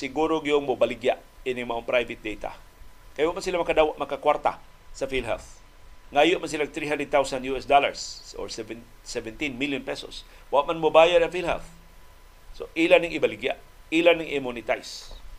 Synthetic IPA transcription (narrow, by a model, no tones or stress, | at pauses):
sɪɡuːɾoɡijoŋmʊbalɪɡjaʔinɪŋmɐʔoŋpɾajvɪt̪̚d̪ejt̪a̰ | kɐjwaɡʔ̚mansilamɐɡkad̪aːwaʔ̪mɐɡkakwaɾt̪a̰ | sɐfilɦɛ̰θ | ŋaːjoʔmans̬ɪlaɡ̚t̪ɾiɦand̪ɾɛd̪̚t̪awsand̪juɛsd̪ola̰ɹsʔo̰ɹsɛvsɛvɛnt̪inmiljʊnpɛso̰s | waʔmanmobaːjad̪ɐŋfilhɛ̰lθ | soʔilanɪŋʔɪbalɪɡja̰ʔ | ilanɪŋʔɪmunɪt̪ajs